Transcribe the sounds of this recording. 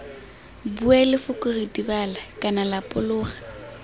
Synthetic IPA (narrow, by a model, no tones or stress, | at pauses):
buɛlɪfʊkʼʊritʼibalakʼanalapʼʊlʊːχḁ